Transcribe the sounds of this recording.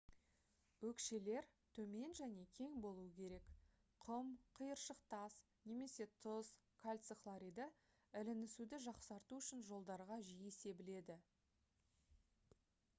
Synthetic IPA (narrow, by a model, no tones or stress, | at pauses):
wɵkʃe̞le̞ɾt̪ʰɵme̞nʒæne̞kʲʰe̞ŋbo̞lˠuəkʲʰe̞ɾe̞k | qʰəmqʰəjəɾʃəqt̪ɑs | ne̞me̞se̞t̪ʰʊz | kʰalʲt̪səklˠaɾid̪ə | ɪlɪnɪsud̪ɪʒɑqsɑɾt̪uʏʃɪnʒo̞lˠd̪ɑɾʁɑʒijese̞bɪle̞d̪ɪ